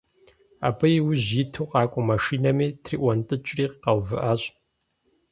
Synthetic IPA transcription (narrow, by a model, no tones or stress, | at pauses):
a̰ːbɐjwʊʑitʰuːqɑːkʷʼɔmɐʂiːnɐmiːtʰriːʔʷɐntʼɨt͡ʃʼriːqqɐwvɨ̰ʔaːɕʼ